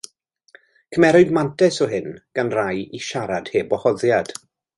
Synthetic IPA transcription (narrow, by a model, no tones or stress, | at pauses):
kʰəmɛɾʊdmantʰɛsɔɦɪnɡ̥anrajiʃaɾad̥heːbɔhɔðjad̥